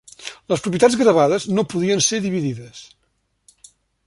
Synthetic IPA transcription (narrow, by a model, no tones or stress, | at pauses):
ləspɾup̬jət̪ad͡zzɣɾəβaðəznopuðiənseɾðiβiðiðəs